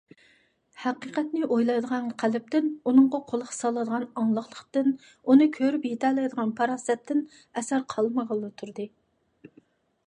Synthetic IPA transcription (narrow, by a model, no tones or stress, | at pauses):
hæqiqɛt̪nɪʔojlˠɑjd̪əʁɑnqʰælɪp̚t̪ɪnunɨɴʁɑqʰolˠəχsɑlˠɨd̪əʁɑnɑŋlˠəχlˠəqt̪ɨn | unɨkʲʰøɾypjet̪ʰɛlˠɑjd̪əʁɑnpʰɑɾɑsɛt̪ʰːɪn | ɛsæɾqʰɑlˠməʁəlˠːɨt̪ʰuɾd̪ɨ